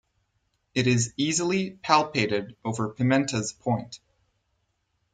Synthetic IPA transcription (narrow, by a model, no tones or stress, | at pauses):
ɨɾɪzizl̩ˠipʰælˠpʰeɪɾɪɾoʊvə˞pʰɨmɛ̃ntʰɨz̥pʰɔ̃ɪ̃nt